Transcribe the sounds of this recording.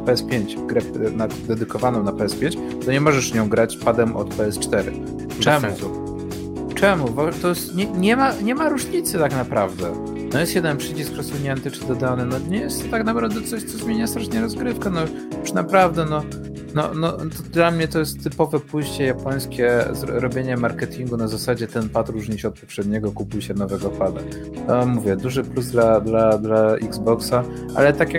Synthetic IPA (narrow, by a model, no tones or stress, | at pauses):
pɛɛspʲjeɲt͡ɕɡɾɛpnad̪ɛd̪ɘkɔvanɔ̃w̃napɛɛspʲjeɲt͡ɕ | t̪ɔɲɛmɔʐɛʂvɲɔ̃w̃ɡɾat͡ɕpad̪ɛmʔɔ̰t̪pɛɛst͡ʂt̪ɛɾɘ̰ | t͡ʂɛmu | t͡ʂɛmuvat̪ɔjɛst̪ɲɛɲɛmaɲɛmaɾuʐɲit̪sɨt̪aknapɾavd̪ɛ | nɔjɛst̪jɛd̪ɛnpʂɘt͡ɕiskɾɔssuɲɛnt̪ɘt͡ʂɘd̪ɔd̪anɘnɔɲɛjɛst̪ːaknapɾavd̪ɛt̪sɔɕt̪sɔzmʲjeɲast̪ɾaʂɲɛɾɔzɡɾɘfkɛnɔ | uʂnapɾavd̪ɛnɔ | nɔ̰nɔt̪ɔd̪lamɲɛt̪ɔjɛst̪ːɘpɔvɛpujɕt͡ɕɛjapɔj̃skʲɛzɾɔbʲjeɲɛmaɾkɛt̪ʲiŋɡunazasad͡ʑɛt̪ɛnpat̪ɾuʐɲiɕɛɔt̪̚pɔpʂɛd̪ɲɛɡɔkupujɕɛnɔvɛɡɔpad̪a̰ | ɔmuvʲjɛd̪uʐɘpluzd̪lad̪lad̪laiɡzbɔksaʔa̰lɛt̪akʲjak